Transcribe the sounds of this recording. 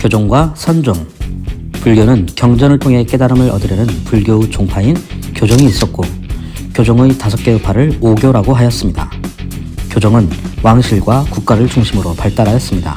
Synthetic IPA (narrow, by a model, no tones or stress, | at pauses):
kjod͡ʑoŋɡwasʰʌnd͡ʑoŋ | puɭɡjonɯnkjʌŋd͡ʑʌnɯɭtʰoŋɦe̞k͈e̞daɾɯmɯɾʌdɯɾjʌnɯnpuɭɡjot͡ɕoŋpʰainkjod͡ʑʌŋiːs͈ʌt̚k͈o | kjod͡ʑoŋetasʰʌk̚k͈e̞opʰaɾɯɭoɡjoɾaɡoɦajʌs͈ɯmɲida̰ | kjod͡ʑʌŋɯnwaŋɕʰiɭɡwakuk̚k͈aɾɯɭt͡ɕuŋɕʰimɯɾopaɭt͈aɾajʌs͈ɯmɲida̰